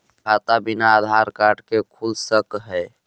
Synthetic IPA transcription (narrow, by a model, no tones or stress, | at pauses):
at̪abinaːd̪ʱaɾkaɾʈkekʰulsəkɦəj